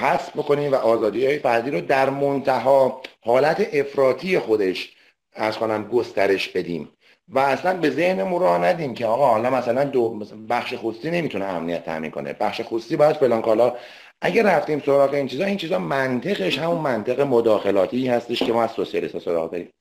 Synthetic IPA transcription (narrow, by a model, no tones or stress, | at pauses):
hæsbbo̞ko̞niːmvæʔɒːzɒːd̪iːhɒːjefæɾd̪iːɾod̪æɾmont̪ʰæɦɒːhɒːlæt̪ʰe̞ʔefɾɒːt̪ʰije̞xo̞d̪e̞ʃ | æɾz̥ko̞næmɡost̪æɾe̞ʃbe̞d̪ḭːm | væːslænbe̞ze̞hnemuɾɒːhnæd̪iːmcʰe̞ɒːɣɒːhɒːlɒmæsælænd̪obæxʃexost̪iːne̞mit̪uneæ̰mnijæt̪ʰːæ̰mḭnkʰo̰nḛbæχʃe̞xost̪iːbɒːjæd̪̥felɒːnkʰɒːlɒ | ʔæɟæræft̪iːmso̞ɾɒːɣe̞int͡ʃʰiːzɒːint͡ʃʰiːzɒmænt̪ʰe̞ɣeʃhæmunmænt̪ʰe̞ɣe̞mod̪ɒːxelɒːt̪ʰiːhæst̪e̞ʃcʰemɒːæz̥sosiɑlḭst̪ɒːso̞ɾɒ̰ːɣd̪ɒ̰ɾḭːm